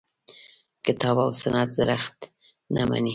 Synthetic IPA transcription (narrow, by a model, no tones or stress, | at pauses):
kɪt̪ɑbawsanat̪zaɾaxt̪ | nama̰ni